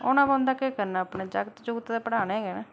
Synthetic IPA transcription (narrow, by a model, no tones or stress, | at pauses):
oːnãːbãːʊnd̪aːkekəɾnaːpneːd͡ʒaɡt̪d͡ʒoɡt̪ːd̪eːpəɽaːnẽːɡɛːnaː